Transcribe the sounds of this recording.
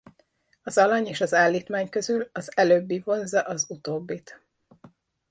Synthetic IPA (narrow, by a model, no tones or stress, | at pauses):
ɒzɒlɒɲeːʃɒzaːlːiːt̪maːɲkø̞zylɒzɛløːbːivo̞nzɒʔɒzut̪oːbːit̪